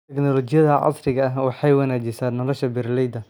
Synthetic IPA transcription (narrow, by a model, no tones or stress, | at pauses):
ɛknɔlɔt͡ʃɪjɐðɐʕɑ̰srɪɣɐɐɦwɑħɑjwɑnaːt͡ʃɪsaːnːɔlɔʃɐbɪrlɛjd̪ɐ